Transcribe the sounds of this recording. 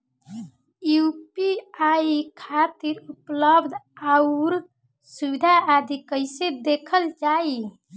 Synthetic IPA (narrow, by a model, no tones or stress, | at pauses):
jupiaikʰat̪iɾupləbd̪ʱauɾ | suʋid̪ʱaad̪ʱikəjsed̪ekʰəlt͡ʃai